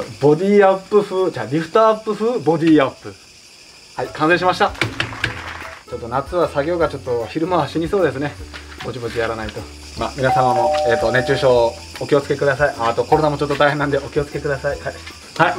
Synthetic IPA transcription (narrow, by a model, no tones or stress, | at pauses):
bo̞d̪ʲiːapːɯ̟ɸɯd͡ʑaːɾʲiɸɯ̟̥t̪aːpːɯɸɨbo̞d̪ʲiːapːɯ̟ | haikãsẽɕ̬imaɕi̥t̪a | t͡ɕo̞t̪ːonat͡sɨβasaɡʲo̞ːɡat͡ɕo̞t̪ːo̞çiɾɯ̟maβaɕiɲ̟iso̞ːd̪e̞s̬ɨne̞bo̞t͡ɕibo̞t͡ɕjaɾanait̪o̞ | ma̰ːmʲinasamamo̞e̞ːt̪ːo̞ne̞t͡ɕɨːɕo̞ː | okʲo̞t͡sɨ̥ke̞kɯ̟d̪asaiʔat̪o̞ko̞ɾo̞namo̞t͡ɕo̞t̪ːot̪aiɦẽnːand̪e̞ʔo̞kʲo̞t͡sɨ̥ke̞kɯ̟d̪asaia | hai